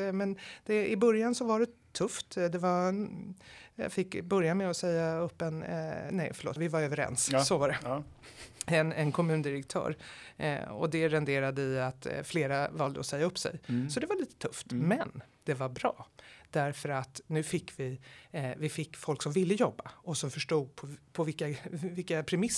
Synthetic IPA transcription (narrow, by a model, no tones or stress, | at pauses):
mɛnd̪̥ɛɪbɵɾjansɔvaɖɛt̪ʰɵft̪d̪ɛva | jɑ̰fɪkːbɵɾjamɛɔsɛjːaɵpːɛnnɛ̰jfœɭo̰ːt̪vɪvaɾøːvəɾɛ̰nssɔvaɖɛ | ɛnɛnkʰɔmʉ̟ːnd̪ɪɾɛk̚t̪ʰœ̰ːɾ̰ | ɔ̰d̪ɛɾɛnd̪eːɾad̪əɪat̪fleːɾavɑld̪ə̰ɔsɛjːaɵpːsɛ̰jsɔd̪ɛvaɭiːt̪ə̥t̪ʰɵft̪mɛnd̪̥ɛvaɾbɾɑ̰ːd̪̥æɾfœɾat̪nʉ̟ːfɪkːvɪ | vɪfɪkːfɔlksɔmvɪlːəjɔbːaɔsɔmfœʂʈuːɡ̪̚pʰɔpʰɔvɪkːavɪkːapʰɾɛmɪs